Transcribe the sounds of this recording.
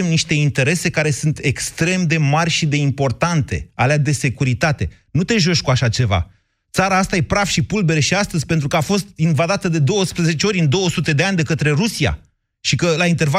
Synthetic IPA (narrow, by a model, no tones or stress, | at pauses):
emniʃt̪e̞int̪e̞ɾe̞se̞kaɾe̞sunt̪e̞kst̪ɾe̞md̪e̞marʲʃid̪e̞impo̞rt̪ant̪e̞̰alead̪e̞se̞kuɾit̪at̪e̞ | nut̪e̞ʒo̞ʃʲkuaʃat͡ʃe̞va̰ | t̪saɾaːst̪ajepɾafʃipulbe̞ɾəʃiast̪əzʲpe̞nt̪ɾukəafo̞st̪̚invad̪at̪əd̪e̞d̪o̞wəspɾəze̞t͡ʃeo̞ɾʲɨnd̪o̞wəsut̪e̞d̪e̞anʲd̪e̞kət̪ɾe̞ɾusia̰ | ʃikəlaint̪eva